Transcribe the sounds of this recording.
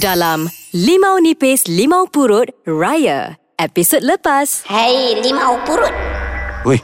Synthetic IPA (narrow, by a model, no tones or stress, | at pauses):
dalamlimawnipeslimawpuɾut̪̚ɹajə̰ | ɛpisot̚ləpashəjlimawpuɾut̪̚uj